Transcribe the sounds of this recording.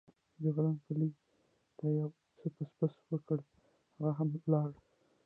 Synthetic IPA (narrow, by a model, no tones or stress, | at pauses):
d͡ʒəɣɾanpəli | t̪ajaw | t͡səpəspəswəkəɽ | haɣaɦamlɑɽ